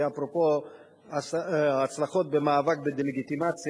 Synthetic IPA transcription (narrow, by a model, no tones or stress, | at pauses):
apʁopo | aat͡slaχo̞t̪̚bemaːvak̚bed̪eleɡit̪imat͡s